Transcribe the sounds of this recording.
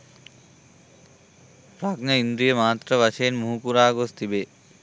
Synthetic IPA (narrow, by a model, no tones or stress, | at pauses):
pɾaɡnɐind̪ɾijemaːt̪ːɾɐβaʃenmuɦukuɾaːɡost̪ibe